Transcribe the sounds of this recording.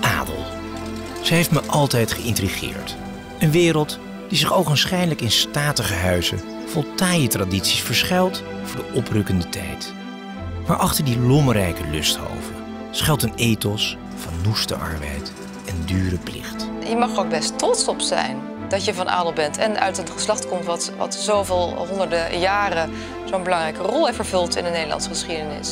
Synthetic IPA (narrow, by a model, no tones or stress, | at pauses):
ʔa̰ːdə̰lˠ | z̥əɦeftməʔɑlˠtɛjtχəɪntriχɪ̰ːɹt | ənʋɪːɾəlˠt | d̥izɪχowχənsχɛjdələkɪnstaːtəχəɦœɥzə̰n | v̥ɔlˠtaːjətraditsisfəɹsχɛlˠt | vʊɹdəʔɔprɵkəndətʰɛ̰jt | maːɹʔɑχtəɹdilɔməɾɛjkəlɵstho̰wvən | sχɛlˠtənejtɔs | fɑnːustə̰ʔɑ̰ɹbɛ̰jt | ɛndyːrəplɪ̰χtjəmɑχonbɛstrɔtsɔpsɛ̰jn | dɑtjəvɑnʔa̰ːdəlˠbɛntʰɛ̰nœ̰ɥtətχəslɑχtkɔmtʋɑtʋɑ̰tzowvɪːlˠɦɔndəɹdəjaːrə | zownmbəlɑŋrɛjkərɔlˠɛfəɹvɵlˠtɪ̰ndənːejdəlɑ̰nsχəsχidənɪ̰s